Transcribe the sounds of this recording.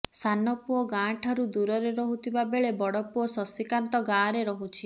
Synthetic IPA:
sanɔpuɔɡãʈʰaɾud̪uɾɔɾeɾɔɦut̪ʰibabeɭebɔɽɔpuɔsɔsikant̪ɔɡaːɾeɾɔɦut͡ʃʰi

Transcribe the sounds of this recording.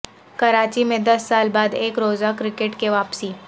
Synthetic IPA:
kɐɾaːt͡ʃimẽd̪ɐsːaːlbaːd̪eːkɾoːzakɾɪkeʈkeʋaːpsiː

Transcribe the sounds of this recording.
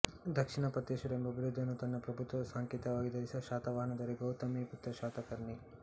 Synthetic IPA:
d̪ʱɐkʂiɳɐpɐt̪ːeːʃɐɾembɐɐbʱiɾud̪ʱːɐnːut̪ɐnːɐpɾɐbʱut̪ʋɐɐsaːŋkjɛːt̪ɐʋaːɡid̪ɐɾisɐʃaːt̪ɐʋaːɳɐd̪ɐɾeɡɐwt̪ɐmeput̪ɾɐʃaːt̪ɐkɐɾɳi

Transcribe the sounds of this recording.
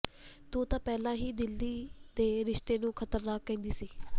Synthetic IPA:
t̪oːt̪ãːpɛːlãːɦiːd̪ɪlːiːd̪eːɾɪʃt̪eːnũːkʰət̪əɾnaːkːɛ̃ːnd̪iːsiː

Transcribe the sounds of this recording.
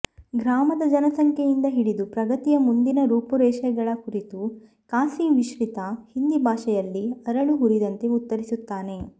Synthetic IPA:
ɡɾaːmɐd̪ɐd͡ʒɐnɐsɐŋkʰejind̪ɐɦiɽid̪upɾɐɡɐt̪ijɐmund̪inɐɾuːpuɾɛːʃɛɡɐɭɐkuɾit̪u | kaːsiʋiʃʋit̪ɐhind̪ibʱaːʃɛjɐlːiɐɾɐɭuɦuɾid̪ɐnt̪e̞ut̪ːɐɾisut̪ːaːne̞

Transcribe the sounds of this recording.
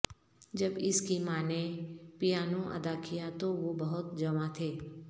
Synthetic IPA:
d͡ʒɐbɪskimaːnepɪjaːnõʔɐ̰d̪akijat̪oʋobɐɦʊt̪d͡ʒɐmat̪ʰeː

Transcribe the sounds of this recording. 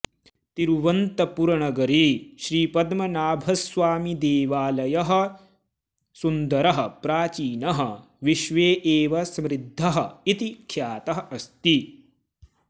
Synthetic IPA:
t̪iɾʋɐnt̪ɐpuɾɐɳɐɡɐɾiʃɾiːpɐd̪mɐnaːbʱɐsʋaːmid̪eːʋaːlɐjɐɦɐ̆ | sund̪ɐɾɐɦɐ̆pɾaːt͡ʃiːnɐɦɐ | ʋiʃʋeːʔeːʋɐsɐmɾɪd̪ʱːɐɦɐ̆it̪ikʰːjaːt̪ɐɦɐʔɐst̪i

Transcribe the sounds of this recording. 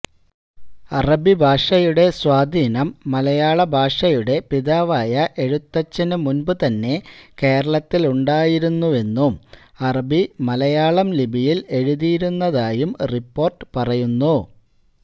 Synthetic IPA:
ɐrɐbibʱaːʂɐjuɽe̞swaːd̪ʱiːnɐmːɐlɐjaːɭɐbʱaːʂɐjuɽe̞piðaːʋaːjɐʔe̞ɻut̪ːɐt͡ɕːɐnumunbɨt̪ɐnːe̞ke̞ːɾɐɭɐt̪ːiluɳɖaːjiɾunːue̞nːumɐrɐbimɐlɐjaːɭɐmlibʱijile̞ɻuðijɾunːɐðaːjumripːo̞ːrʈɨ̥pɐrɐjunːu

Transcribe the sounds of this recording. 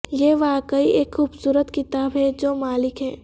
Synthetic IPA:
jeʋaːkəiʔeːkxuːbsuːɾət̪kɪt̪aːbɦɛd͡ʒoːmaːlɪkɦɛː

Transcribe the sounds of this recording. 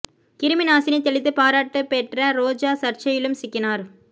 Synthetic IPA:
kɪɾɯmɪnaːsɪnɐt̪ːɛɭɪt̪ːɯpaːɾaːʈːɯpɛʈrɐɾoːd͡ʒaːsɐɾt͡ʃɐjɪlɯmsɪkːɪnaːɾ

